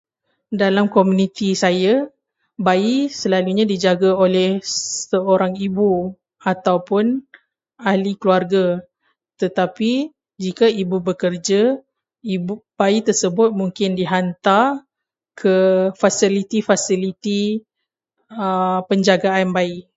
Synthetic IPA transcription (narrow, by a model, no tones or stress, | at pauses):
dalamkomunit̪isaja | baisəlaluɲãdid͡ʒaɡaolɛhsəoɾaŋibu | at̪awpʊn | ahlikluarɡa | t̪ət̪api | d͡ʒikaibubəkərd͡ʒa | ibb̥ait̪ərsəbʊt̪̚muŋkɪndiɦant̪ar | kʰəfasilit̪ifasilit̪i | əpəɲd͡ʒaɡaanbai